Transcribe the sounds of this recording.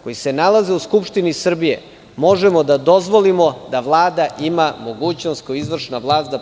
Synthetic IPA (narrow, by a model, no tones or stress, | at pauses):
ko̞jise̞nalaze̞uskupʃt̪inisr̩bijḛ | mo̞ʒemo̞d̪ad̪o̞zʋo̞limo̞d̪aʋlˠaːd̪aʔimamo̞ɡuːt͡ɕnost̪koizʋr̩ʃnaʋlˠaːst̪d̪a